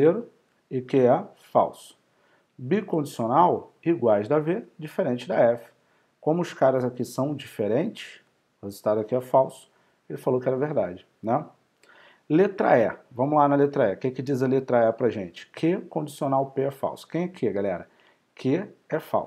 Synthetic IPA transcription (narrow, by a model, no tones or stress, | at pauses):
eɾʊ | ɪkɪɛ | fa̰wsʊ̥ | bikõd͡ʒisionaw | iɡwajzd̪ɐved͡ʒifeɾẽnt͡ʃɪd̪ɐɛfɪ̥ | kõmʊʊskaɾɐzakisɐ̃w̃d͡ʒifeɾẽnt͡ʃɪ̥s | hezu̥t̪ad̪ʊɐkiɛfawsʊ̥ | elɪfalowkɪɛɾɐveɾd̪ad͡ʒɪ | nɛ̃ | let̪ɾɐ̰ɛvɐ̃mʊlanɐlet̪ɾɐɛkẽkɪd͡ʒizɐlet̪ɾɐɛpɾɐʒẽt͡ʃɪ̥kʰɪkõd͡ʒisionawpeɛfa̰wsʊ̥kẽj̃ɛkʰɪɡalɛ̰ɾɐ | kʰɪɛfa̰wsʊ̥